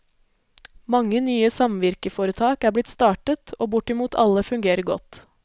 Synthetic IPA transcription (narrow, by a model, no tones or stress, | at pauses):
mɑŋːənyːəsɑmʋɪɾkəfoːɾət̪ʰɑːkæːblɪt̪st̪ɑːʈət̪ʰoːbʊʈɪmuːt̪ʰɑ̰ləfʉŋɡeːɾəɾɡɔ̰t̪